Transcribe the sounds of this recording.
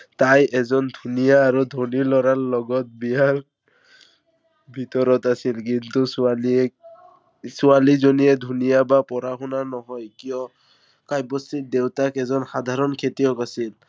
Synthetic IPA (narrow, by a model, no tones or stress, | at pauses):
t̪ajʔɛzɔnd̪ʱunijaːɾud̪ʱonilɔɾaɹlɔɡɔt̪̚biɦaɾ | bʱit̪ɔɾɔt̪asilk̬int̪usuali | sualizonied̪ʱunijabapɔɾaxunanɔɦɔjkijɔ | kajbɔst̪id̪ewtakɛzɔnxad̪ʱaɾɔnkʰet̪ijɔkasil